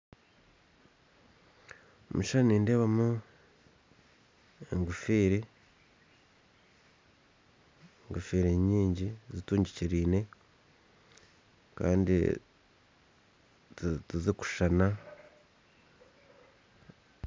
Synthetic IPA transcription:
muʃaniːnde̞βamu | eŋɡufiːɾi | ŋɡufiːɾiɲiːɲɟizituːɲɟiciɾiːne̞ | ka̰ːndḭ | tuziku̥ʃana

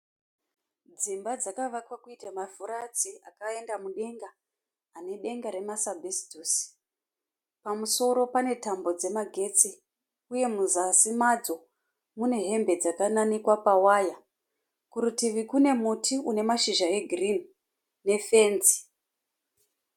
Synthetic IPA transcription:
d͡zimbad͡zakaʋakwakuitamavuɾat͡siakaendamuɗe̞ŋɡaː | ne̞ɗe̞ŋɡaɾe̞masabʱesi̥tuːsi̥ | pamuso̞ɾo̞pane̞tambo̞d͡ze̞maɡʱe̞t͡si | uje̞muzasimad͡zo̞ | mune̞ɦe̞mbe̞d͡zakananikwapawaːja | kuɾutiʋikune̞mutʰiune̞maʃiʒae̞ɡʱrin | ne̞fe̞ːnzi̥

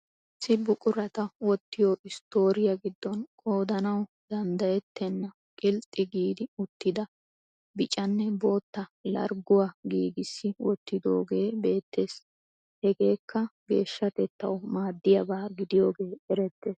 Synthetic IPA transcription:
sɪbʊkʼʊɾɐt̪ɐwɔt̪ːɪjoːʔɪst̪o̞ːɾɪjɐɡɪd̪ːɔnkʼo̞ːd̪ɐnɐw | d̪ɐnd̪ɐjɛt̪ʰːɛnːɐ | kʼɪlt̪ʼːɪɡiːd̪ɪʊt̪ːɪd̪ɐ | bɪt͡ʃʼɐnːɛbo̞ːt̪ːɐlɐ̰ɾɡʊwaɡiːɡɪsːɪwɔt̪ːɪd̪o̞̰ːɡe̞ːbe̞ːt̪ːe̞ːs | hɛɡe̞ːkːɐɡe̞ːʃːɐt̪ɛt̪ːɐ̰wmaːd̪ːɪjɐbaːɡɪd̪ɪjo̞ːɡe̞ːɛɾɛt̪ːe̞ːs

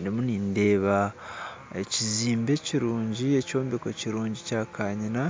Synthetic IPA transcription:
demuninde̞ːβa | eciziːmbe̞ciɾuːɲɟie̞co̞ːmbeko̞ciɾuːɲɟicaːkʰaːɲina

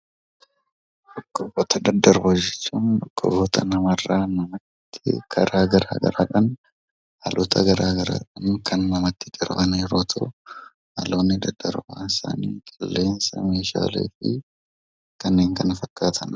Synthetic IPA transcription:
ᶑɔkːɔbɔt̪ɐd̪ɐd̪ːɐɾbɐd͡ʒɛt͡ʃːuːnᶑ̪ɔkːɔbɔt̪ʰɐnɐmɐrːaːnɐmɐt̪ːɪkʰɐɾaːɡɐɾa̰ːɡɐ̰ɾa̰ːᶑɐn | ʔɐlɔt̪ʰɐɡɐɾaːɡɐɾa̰ːᶑɐnkʰɐnːɐmɐt̪ːɪd͡ʒɐɾbɐneɛɾoːt̪ʰɐ | hɐloːnːɪd̪ɐd̪ːɐɾbaːnɪsa̰ːnḭːkʼɪlːe̞ːnsɐme̞ːʃa̰ːlḛːfɪ | kɐnːe̞ːŋkɐnfɐkːaːt̪ʰɐn

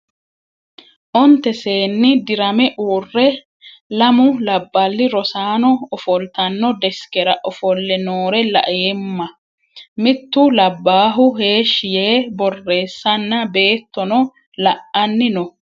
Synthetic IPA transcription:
ʔɔnt̪ɛse̞ːnːɪd̪ɪɾɐmɛʔuːrːɛ | lɐmʊlɐbːɐlːɪɾɔsaːnɔɔfɔlt̪ɐnːɔd̪ɛskɛɾɐʔɔfɔlːɛnoːɾɛlɐ̰ʔeːmːɐ | mɪt̪ːʊlɐbːaːɦʊhe̞ːʃːɪje̞ːbɔrːe̞ːsːɐnːɐbe̞ːt̪ːɔnɔ | lɐʔɐnːɪnɔ

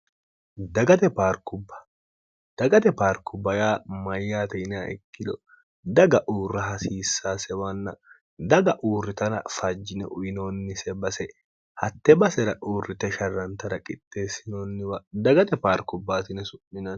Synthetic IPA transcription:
d̪ɐɡɐt̪ɛpaːɾkʊbːɐ̥ | d̪̥ɐɡɐt̪ɛpaːɾkːʊbːɐjaːmɐjːaːt̪ɛnaʔɛ̰kːɪd̪ɔ | d̪ɐɡɐʔuːrːɐɦɐsiːsːaːsɛwɐnːɐ | d̪ɐɡɐʔuːrːɪt̪ɐnɐ̰fɐd͡ʒːɪnɛ̰ʔʊjɪnoːnːɪsɛbɐsɛ | hɐt̪ːɛbɐsɛɾɐ̰ʔuːrːɪt̪ɛʃɐrːɐnt̪ɐɾɐkʼɪt̪ːe̞ːsɪnoːnːɪwɐd̪ɐɡɐt̪ɛpaːɾkʊbːaːt̪ɪnɛsʊʔːɪnɐn

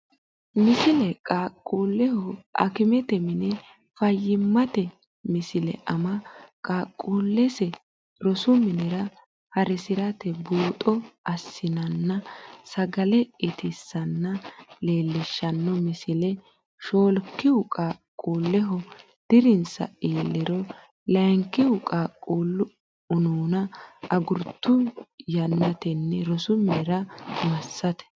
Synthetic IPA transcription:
mɪsɪlɛkʼaːkʼːuːlːɛhɔʔɐ̰kɪmɛt̪ɛmɪnɛ | fɐjːɪmːɐt̪ɛ | mɪsɪlɛ̰ʔɐmɐkʼaːkʼːuːlːɛsɛ | ɾɔsʊmɪnɛɾɐ | hɐɾɪsɪɾɐt̪ɛbuːt̪ʼɔɐsːɪnɐnːɐsɐɡɐlɛɪt̪ɪsːɐnːɐle̞ːlːɪʃːɐnːɔmɪsɪlɛ | ʃoːlkːɪʊkʼakʼuːlːɛɦɔ | d̪̥ɪɾɪnsɐ̰iːlːɪɾɔ | lɐjŋkːɪʊkʼaːkʼuːlːʊ | ʊnuːnɐɐɡʊɾt̪ːʊjɐnːɐt̪ɛnːɛɾɔsʊmɪnɪɾɐmɐsːɐt̪ɛ̥

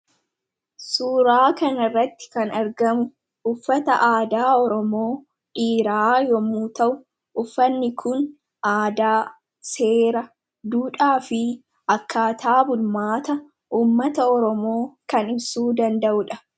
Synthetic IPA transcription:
suːɾaːkɐnɐrːɐt̪ːɪ̥kɐnɐɾɡɐmʊ | ʔʊfːɐt̪ɐʔaːd̪aːɔɾɔmo̞ː | ʔiːɾaːjɔmuːt̪ɐʔʊ | ʔʊfːɐnːɪkʰʊn | ʔaːd̪aː | se̞ːɾɐ | d̪uːᶑaːfɪ | ʔɐkːaːt̪ʰaːbʊlmaːt̪ɐ | ʔuːmːɐt̪ɐɔɾɔmo̞ːkɐnɪbsuːd̪ɐnd̪ɐʔʊᶑɐ

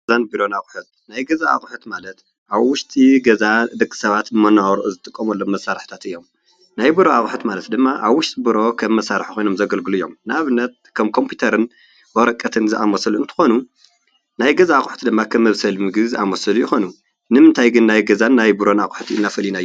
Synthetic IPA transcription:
zanbiɾo̞naxʼħut̪̚ | najɡɐzaa̰xʼħut̪malɐt̪ | ʔaβwʊʃt̪ʼiɡɐzad̪ɨkʼːɨ̥sɐβat̪ɨmɐnːawɾʔuzɨt̪ʼɨkʼːɐmɐlːomːɐsːaɾħt̪ʰat̪ɨjːo̞m | najbɨɾoa̰xʼħut̪malɐt̪d̪ɨmːaʔaβwʊʃt̪ʼibɨɾo̞kʰɐmːɐsaɾɨħixʰo̞jno̞mzɐɡɐlɡɨluɨjːo̞̰mnaβɨnːɐt̪̚kʰɐmkʰo̞mpʰit̪ʰɐɾɨn | wɐɾɐkʼːɐt̪ʰɨnzɨʔamɐsɐluɨnt̪ʰɨ̥xo̞nu | najɡɐzaːxʼħt̪ʰid̪ɨmːakʰɐmːɐβsɐlmɨɡβzɨʔamɐsɐlujɪxo̞nu | nɨmɨnt̪ʰajɡɨnːajɡɐzanːajbɨɾo̞naxʼħt̪ʰiɨnːafɨlinajː

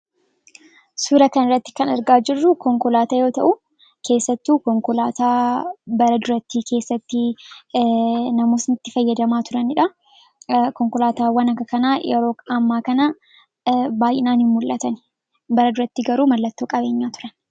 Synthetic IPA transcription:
suːɾɐkɐnɪrːɐt̪ːɪ̥kɐnɐɾɡaːd͡ʒɪrːʊkɔŋkɔlaːt̪ajo̞ːt̪ɐʔʊ | kʰe̞ːsːɐt̪ːuːkɔŋkɔlaːt̪aːbɐɾɐd̪ʊɾɐt̪ːiːkʰe̞ːsːɐt̪ːɪ | nɐmuːsnɪt̪ːɪfɐjːɐd̪ɐmaːt̪ʊɾɐnɪᶑɐ | kɔŋkɔlaːt̪aːwɐnɐkːɐkɐnaːjɛ̰ɾo̞ːɐmːaːkɐnɐ | baːjʔɪnaːnhɪmmʊlʔɐt̪ɐn | bɐɾɐd̪ʊɾɐt̪ːiɡɐɾuːmɐlːɐt̪ːoːkʼɐbeːɲːaːt̪ʊ̥ɾɐn

